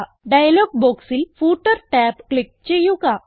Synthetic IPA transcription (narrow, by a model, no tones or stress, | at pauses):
ɖajlɔɡ̚bɔksilfuʈəɾʈɛpkɭik̚t͡ɕejũka